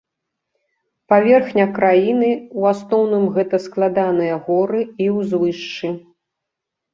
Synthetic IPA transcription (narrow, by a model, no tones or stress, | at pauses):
pavʲɛrxnʲɐkɾajinɨwasnɔwnɨmɣɛt̪ɐsklˠad̪anɨjɐɣɔɾɨiwzvɨʂt͡ʂɨ